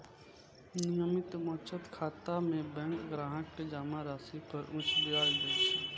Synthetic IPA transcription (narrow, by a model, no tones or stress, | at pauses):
nɪjəmɪt̪mɔːt͡ʃʰət̪kʰaːt̪amẽbɛ̃ŋkɡɾaːɦəʈked͡ʒaːmaɾaːsipəɾʔʊ̃t͡ʃʰd̪ɪaːld̪et͡ʃʰe